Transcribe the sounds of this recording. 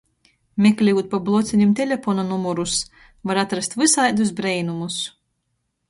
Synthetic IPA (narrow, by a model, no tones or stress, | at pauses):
mʲeklʲiut̪̚pablˠɔt̪sʲinʲumt̪ʲelʲefɔnanumɔɾus | vaɾat̪ɾast̪vɨsajd̪us̬bɾɛjnumus